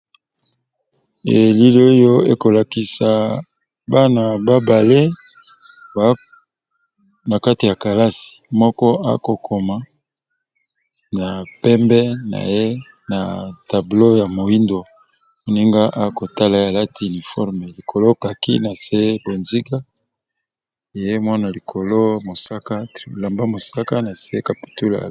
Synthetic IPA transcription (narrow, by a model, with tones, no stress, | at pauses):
e˨li˦li˦o˦jo˦e˦ko˨la˨ki˨sa˨ | ba˦na˨ba˦ba˨le˦ | ba˦ | na˨ka˦ti˨ja˨ka˨la˦si̥˨mɔ˦kɔ˦a̰˦ko˨kʰo˨ma˨ | na˨pɛ˦mbɛ˦na̰˨je˦ | na̰˨ta˨blo˦ja˨mo˨i˦ndo˨ | mo˨ni˦ŋɡa˦ʔa˦ko˨ta˦la˨e˦a˨la˦ti˨u˨ni˨fɔ˦ʁme˨li˨kʰo˨lo˦ka˨kḭ˦na˨se˦e˦bo˨nzi˦ɡa˦ | e˨je˦mwa˦na˨li˨kʰo˨lo˦mo˨sa˦ka˦tla˨mba˦mo˨sa˦ka˦na˨se˦e˦ka˨pi̥˨tu˦la̰˨